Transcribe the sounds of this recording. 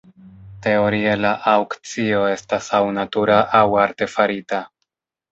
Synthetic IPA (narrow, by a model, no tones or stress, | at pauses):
te̞o̞ɾielaʔawkt͡sio̞e̞stasawnatuɾaʔawaɾte̞faɾita